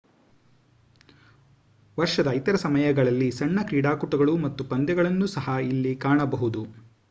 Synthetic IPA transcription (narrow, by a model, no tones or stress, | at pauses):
ʋɐɾʂɐd̪ɐit̪ɐɾɐsɐmɐjɐɡɐɭɐlːisɐɳːɐkɾiːɽaːkuʈɐɡɐɭumɐt̪ːupɐnd̪jɐɡɐɭɐnːusɐɦɐilːikaːɳɐbɐɦud̪u